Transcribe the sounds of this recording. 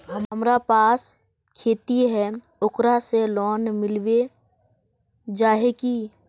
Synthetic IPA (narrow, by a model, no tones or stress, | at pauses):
ɦəməmɾapaːs | kʰeːt̪iɦɛ | ʊkɾaselɔːnmɪlʋe | d͡ʒaːɦeki